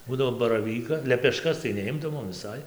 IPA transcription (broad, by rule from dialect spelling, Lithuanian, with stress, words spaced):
ˈbuːdɐʋoː bɐrɐˈʋʲiːkɐ lʲɛpʲɛˈʃkɐs tɐɪ nʲɛˈɪmdɐʋoːm ʋʲɪˈsɐɪ